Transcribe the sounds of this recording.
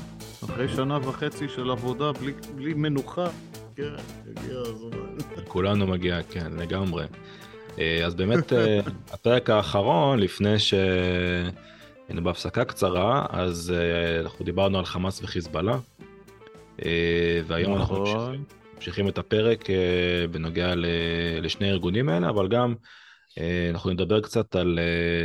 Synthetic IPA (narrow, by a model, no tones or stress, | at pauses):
aχʁejʃanavaχet͡siʃelavo̞d̪abliblimenuχa | kenjḛɡḭa | kulanumaɡiakenle̞ɡamʁe̞̰ | ʔeazbe̞ːmet̪apeʁe̞kaːχaʁo̞nlifne̞jʃe | ajnubeafsakakt͡saʁaa̰zanaχud̪ibaʁnualχamasveχizbala | ʔeveajo̞manaχnu | amʃiχimet̪ape̞ʁe̞kʰeveno̞ɡealeleʃneiʁɡunimae̞leavalɡam | eanaχuned̪abe̞ʁkt͡sat̪ale